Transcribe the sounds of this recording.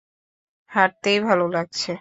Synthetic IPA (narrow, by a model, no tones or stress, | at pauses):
haɾt̪ejbʱalolaɡ̚t͡ɕʰe